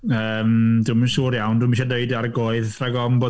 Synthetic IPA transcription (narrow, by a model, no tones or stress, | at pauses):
əːmduːmənʃuːɾjawnduːmiʃadeɨdarɡoɨðraɡɔmboː